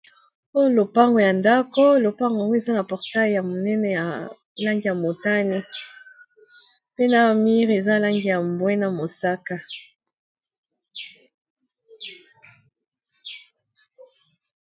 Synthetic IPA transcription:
o˦lo˨pa˦ŋɡo˨ja˨nda˦ko˦lo˨pa˦ŋɡa˨ŋɡo˦e˨za˦na˨pɔ˨ʁta˦˨ja˨mo˨nɛ˦nɛ˨ja˨ | la˦ŋɡi˨ja˨mo˨ta˦ni˦ | pe˦na˨mi˦ʁe˨za˦˨la˦ŋɡi˨ja˨mbwɛ˦na˨mo˨sa˦ka˨

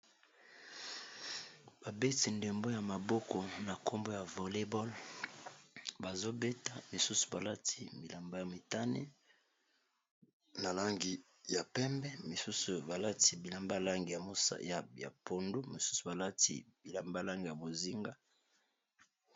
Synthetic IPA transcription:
b̥a˨be˦ti˨nde˨mbo˦ja˨ma˨bɔ˦ko˨na˨ko˦mbo˦ja˨vo˨le˦bɔ˦l | ba˨zo˦be˦ta˦mi˨su˦su̥˨ba˨la˦tʰi˦mi˨la˨mba˦ja˨mi˨ta˦nḭ˦ | na˨la˦ŋɡi˨ | ja˨pɛ˦mbɛ˦mi˨su˦su˨ba˨la˦ti˨bi˨la˨mba˦la˦ŋɡi˨ja˨o˦sa̰˦ja˨ja̰˨po˨ndu˦mi˨su̥˦su̥˨ba˨la˦tḭ˨bi˨la˨mba˦la˦ŋɡi˨ja˨bo˨zi˦ŋɡa˦

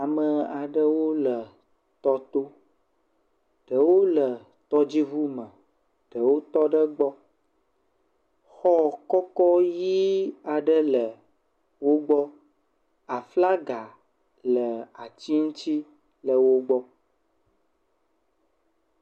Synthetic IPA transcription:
a˨mə˨a˨ɖə˦wo˦lə˨ | t̪ɔ˦t̪o˦ | ɖ̥ə˨wo˦lə˨ | t̪ɔ˦d͡ʑi˦vu˦mə̃˨ | ɖ̥ə˨wo˦t̪ɔ˦ɖə˦ɡ͡bɔ˦ | xɔ˦kɔ˦kɔ˦ji˦a˨ɖə˦lə˨ | wo˦ɡ͡bɔ˦ | a˨fla˦ɡa˨ | lə˨a˨t͡ɕi˦ŋũ˦t͡ɕi˦ | lə˨wo˦ɡ͡bɔ˦

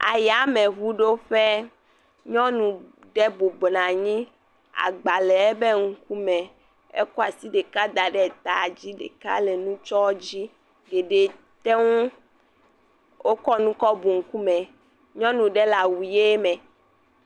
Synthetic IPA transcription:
a̰˨ja˨mẽ˨ɦu˦ɖo˦ɸɛ˦ | ɲɔ̃˦nũ˨ | ɖe˦bo˨bnã˨ɲĩ˦ | a̰˨ɡ͡ba˨lɛ˨ɛ˦be˦ŋ̩˦ku˦mɛ̃˨ | ḛ˦kɔ˦a˨si˦ɖe˨ka˦d̪a˨ɖɛ˦˨t̪a˨d͡ʑi˦ɖḛ˨ka̰˦le˨nũ˦t͡ʃɔ˦d͡ʑi˦ | ɡe˨ɖe˨ | t̪e˦ŋũ˦ | wʔo˦kɔ˦nũ˦kɔ˦bu˨ŋ̩˨ku˦mɛ̃˨ | ɲɔ̃˦nũ˨ɖe˦la˨wu˨je˦mɛ̃˨

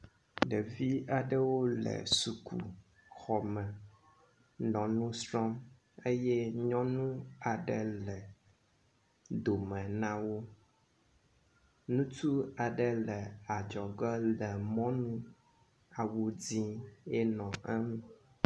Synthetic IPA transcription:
ɖə˨vi˦a˨ɖə˦wo˦lə̰˨su˨kʰṵ˨ | xɔ˨mɛ̃˨ | nɔ̃˨nũ˦sɾɔ˦m | e˦jɛ˦ɲɔ̃˦nũ˦a˨ɖə˨lɛ˨ | d̪o˨mɛ̃˨nã˦wo˦ | nũ˦t̪u˦a˨ɖə˨lɛ˨a˨d͡ʒɔ˨ɡɛ˦lɛ˨mɔ̃˦nũ˦ | a˨wu˨d͡zĩ˦ɛ˦nɔ̃˨ɛ˦mũ˨

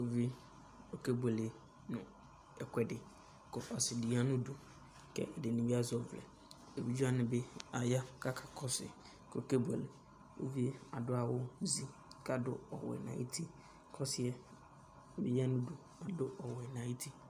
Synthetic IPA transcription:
o˦vi˦ | o˨ke˦bɛ˨lɪ˨ | nʊ̃˨ | ɛ˨kʷʰɛ˨dɪ˨ | kɔ˨ʔɔ˨sɪ˨di˨˦a˦nʊ̃˦do˨ | kɛ̰˦ɛ˨dɪ˨nɪ̃˨bi˦a˦zɔ˨vlɛ̰˨ | e˨bi˦d͡ʒu˦a˦nɪ̃˨bɛ˦a˨ja˦kʰa˦kʰḁ˨kʰɔ˦sɪ̰˨ | kʰo˨ke˦bɛ̰˨lɪ˨ | wo̰˦vi˦e˦a˨dʊ˦a˨wʊ˦n˦zi˦ | ka˨dʊ̰˦ɔ̰˨wɛ̰˨nã̰˨i˦tʰi˦˨ | kʰɔ˦sɪ˦ɛ˦˨ | bḭ˦i˦a˦nʊ̃˦du˨ | a˨dʊ˦ʔɔ˨wɛ˨nã˨˦i˦tʰi˦

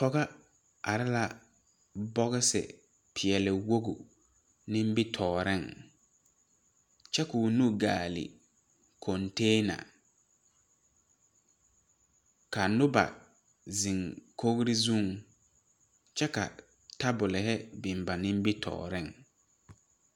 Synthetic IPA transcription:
pɔ˦ɡa˦ | a˨ɾɪ˦la˦ | bɔ˦ɣɪ˦sɪ̰˨ | pʰɪ˨ɛ˨lɪ˨wo˦ɡṵ˨ | nɪ̃˦m˦bɪ˦tʰɔː˨ɾɪ˦˨ŋ | t͡ʃɛ˦ku˨nu˦ɡaː˨lɪ̰˨ | kʰɔ˨nteː˦na̰˨ | ka˨nʊ˦ba̰˨ | zɪ˨ŋkʰo˦ɣɾɪ˦zũ˦˨ŋ | t͡ʃɛ˦ka̰˨ | ta˦bʊ˨lɪ˨hɛ˦bɪ˨m˨ba˨nɪ̃˦m˦bɪ˦tʰɔ̰ː˨ɾɪ˦ŋ

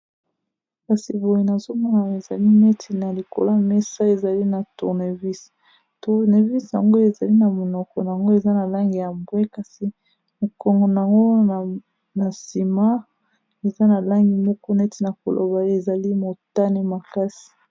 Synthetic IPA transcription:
ka˦si˨bo˨je˨na˨zo˦mɔ˦na˨e˨za˨li˦ne˦tʰi˨na˨li˨ko̰˨la˦mɛ˦sa˦e˨za˨li˦na˨tu˨ne˨vi˦s | tu˨ʁne˨vi˦sa̰˨ŋɡo˦e˨za˨li˦na˨mo˨nɔ˨kɔ˨n˨a˨ŋɡo˦e˨za˦na˨la˦ŋɡi˨ja˨mbwe˦ka˦si˦ | mi˨kɔ˨ŋɡɔ˨n˨a˨ŋɡo˦˨ | na˨si˨ma˦ | e˨za˦na˨la˦ŋɡi˨mɔ˦kɔ˦ne˦ti˨na˨ko˨lo̰˨ba˨e˨za˨li˦mo˨ta˦ni˦ma˨ka˦si̥˨

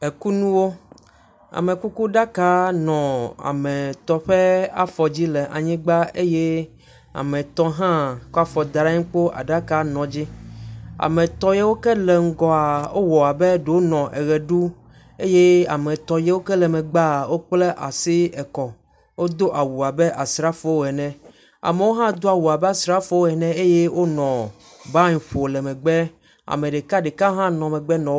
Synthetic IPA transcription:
e˨ku˦nũ˦wo˦ | a̰˨mẽ˨ku˦ku˦ɖa˦ka˦nɔ̃˨a̰˨mɛ̃˨t̪ɔ˨ɸɛ˦a˦fɔ˨d͡ʑi˦lɛ˨ʔa˨ɲĩ˦ɡ͡ba˦e˦je˦ | a̰˨mẽ˨t̪ɔ˦ɦã˦kɔ˦a˦fɔ˨d̪a˨ɾa˦ɲĩ˦k͡po˦ʔa̰˨ɖa˦ka˦nɔ̃˨d͡ʑi˦ | a̰˨mẽ˨t̪ɔ˦je˦wo˦kɛ˦lɛ˨ŋ̩˦ɡɔ˦a˨wo˦wɔ˨a˨bɛ˦ɖe˨wo˦nɔ̃˨ʔɛ˨ɣɛ˨ɖu˦ | e˦je˦a̰˨mɛ̃˨t̪ɔ˨je˦wo˦kɛ˦lɛ˨mɛ̃˨ɡ͡ba˦˨wo˦k͡ple˦ʔa̰˨si˦ɛ˨kɔ˨ | wo˦d̪o˦ʔa˨wu˨a˨bɛ˦ʔa˨sɾa˦fo˦wo˦˨ɛ˨nɛ̃˨ | a̰˨me˨wo˦ɦã˦d̪o˦a˨wu˨a˨bɛ˦a˨sɾa˦fo˦wo˦ɛ˨nɛ̃˦e˦je˦wo˦nɔ̃˨ | ba˦ɲ˨ɸo˨lɛ˨mɛ̃˨ɡ͡bɛ˦ | a̰˨mẽ˨ɖe˨ka˦ɖe˨kã˦ɦã˦nɔ̃˨mɛ˨ɡ͡bɛ˦nɔ̃˨

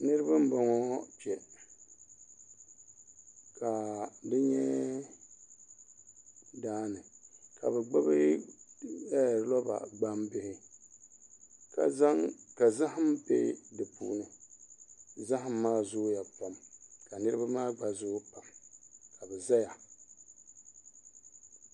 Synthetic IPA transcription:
nɨ˦ɾɨ˦ba˦m̩˦ba˨ŋɔ˦pi˨ɛ˨ | kʰa˨dɨ˦ɲɛ˦ | daː˦nɨ˨ka̰˨bɛ˨ɡ͡ba˦bɨ˦ | ɛ˦˨lɔ˦ba̰˨ɡ͡ba˦mbɪ˦hɪ˨ | ka̰˨za˦ŋka˨za˦hmpḛ˦dɨ˨pṵː˦nɨ˨ | za˦ɦa˨mː˦aː˦zʊ˦ja˨pa˨mka˨nɨ˦ɾɨ˦ba˦maː˦ɡ͡ba˨zʊ˦pa˨mka˨bɛ˨za˦ja˨

